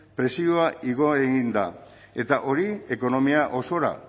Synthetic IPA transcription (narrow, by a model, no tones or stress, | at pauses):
pɾe̞sioaʔiɣo̞eɣind̪a̰ | e̞t̪aʔo̞ɾie̞ko̞no̞miaʔo̞so̞ɾa̰